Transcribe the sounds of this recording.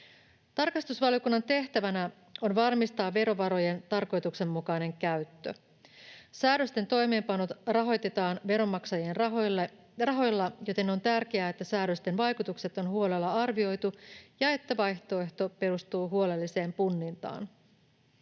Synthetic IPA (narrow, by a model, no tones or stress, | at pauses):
t̪ɑrkɑst̪usʋɑljo̞kunːɑnt̪e̞ht̪æʋænæ | o̞nʋɑrmist̪ɑːʋːe̞ɾo̞ʋɑɾo̞je̞nt̪ɑrko̞jt̪ukse̞mːukɑjne̞ŋkæɥt̪ːø̰ | sæːdø̞st̪e̞nt̪o̞jme̞ːmpɑnot̪rɑɦo̞jt̪e̞t̪ɑːnʋe̞ɾo̞mɑksɑjenɑol | rɑɦo̞jlːɑjot̪e̞no̞nt̪ærk̟eæːet̪ːæsæːɾø̞st̪e̞nʋɑjkut̪ukse̞t̪o̞nhuo̞le̞lːɑɑrʋio̞jt̪ujɑe̞t̪ːæʋɑjçt̪o̞e̞ht̪o̞pe̞ɾust̪uːɦuole̞lːise̞ːmpunːint̪ɑ̰ːn